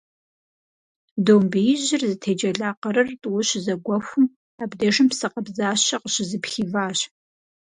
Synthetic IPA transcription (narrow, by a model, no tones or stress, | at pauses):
doːmbɨjɪʑɪrzɨtʰeːd͡ʒɐɮaːqɐɾɨrtʼwʊɕzɐɡʷɔxʷʊm | aːbdɐʒɨmpsɨqɐbzaːɕɐqəɕɪzɨpxivaːɕ